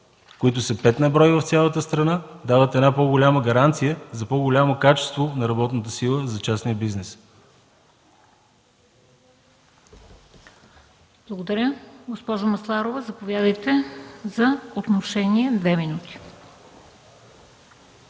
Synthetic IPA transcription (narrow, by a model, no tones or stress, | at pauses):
koit̪ʊsəpɛt̪nɐbɾɔjvɐft̪sʲjalˠət̪əst̪ɾɐnad̪avət̪ɛd̪napɔɡolʲaməɡɐɾant̪sijəzɐpɔɡolʲamokat͡ʃɛ̥st̪vonɐɾɐbɔt̪nət̪əsilˠəzɐt͡ʃasnijəbiznɛs | b̥lˠəɡod̪ɐɾʲjəɡospɔʒʊmɐslˠaɾovəzɐpovʲjad̪əjt̪ɛzɐot̪noʃɛniɛd̪vɛminut̪i̥